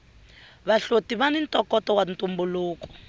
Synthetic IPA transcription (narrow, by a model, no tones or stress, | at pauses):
βaɬotiβanintʼɔkɔtɔwantumbuluːkɔ̥